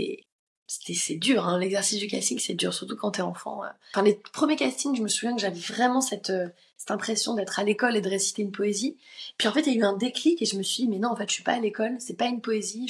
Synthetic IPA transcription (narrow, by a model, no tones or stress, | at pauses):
ɛ̰ | se̥t̪ɛsɛd̪yʁɛ̃lɛɡzɛʁsisd̪ykʲa̰st̪iŋsɛd̪y̰ʁsyʁt̪ukɑ̃t̪ɛɑ̃fɑ̰̃ø̰fɛ̃lepχəmjekʲast̪iŋʒəməsuvjɛ̃kəʒavɛvʁɛmɑ̃sɛt̪ø | sɛ̥t̪ɛ̃pχesjɔ̃d̪ɛt̪χalekɔled̪əʁesi̥t̪eynpoeziepɥiɑ̃fɛt̪jayɛ̃d̪eklikeʒəməsɥid̪imɛnɔ̃ɑ̃fɛt̪ʃɥipa̰ːlekɔlsɛpaynpoezi